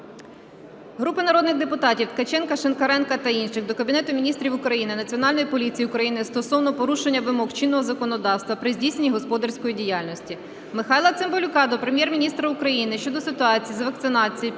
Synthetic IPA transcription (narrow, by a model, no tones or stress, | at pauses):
ɦɾupɪnɐɾɔd̪nɪɣd̪epʊt̪ɑtʲiwt̪kɐt͡ʃɛnkɐʃenkɐɾɛnkɐt̪ɐinʃɪxd̪ɔkɐbʲinɛt̪ʊmʲinʲist̪ɾʲiwʊkɾɐjinɪnɐt͡sʲiɔnɑlʲnɔjipɔlʲit͡sʲijiukɾɐjinɪst̪ɔsɔwnɔpɔɾuʃe̞nʲːɐʋɪmɔxt͡ʃinːɔɦɔzɐkɔnɔd̪ɑwst̪ʋɐpɾɪzʲdʲijsnenʲiɦɔspɔd̪ɐrsʲkɔjidʲijɑlʲnɔsʲtʲi | mɪxɑjlˠɐt̪sɪmbɔlʲʊkɑd̪ɔpɾemʲjɛrmʲinʲist̪ɾɐʊkɾɐjinɪʃt͡ʃɔd̪ɔsɪt̪ʊɑt͡sʲijizʋɐk̚t̪sɪnɑt͡sʲiji